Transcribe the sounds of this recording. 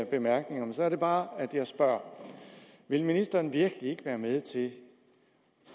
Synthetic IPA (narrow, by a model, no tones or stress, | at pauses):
b̥e̝mæɐɡ̥ne̝ŋɐmensɒ̽æɐɾ̥e̝b̥ɑ̈ːæd̥jɑ̈ɪsb̥ɶɐ̰ | ʋe̝lminisd̥ɐːnʋiɐɡ̥lie̝ɡ̥əʋæːɐmeð̞ˠt͡sʰe̝